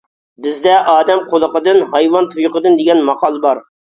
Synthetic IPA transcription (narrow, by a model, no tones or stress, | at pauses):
bɪzd̪ɛʔɑːd̪ɛmqʰolˠəqəd̪ɨnɦɑjwɑnt̪ʰujʊqəd̪ɨnd̪ɪɡʲɛnmɑqɑlˠəbɑɾ